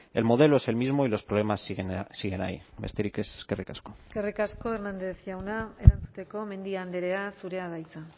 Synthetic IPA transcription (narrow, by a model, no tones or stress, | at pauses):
e̞̰lmo̞ð̞e̞loe̞se̞lmizmo̞ilo̞spɾoβlemasɣsiɣena̰ḭmest̪eɾikese̥skerikasko̥skerikasko̞eɾnand̪e̞θʝawnae̞ɾant͡sut̪e̞ko̞mẽ̞nd̪iand̪eɾe̞asuɾe̞aðajt͡sa